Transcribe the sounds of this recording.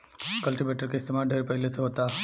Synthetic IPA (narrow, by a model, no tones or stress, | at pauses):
kɐlʈiʋeʈəɾkeɪst̪emaɖʱeɾpəjlet͡seɦot̪a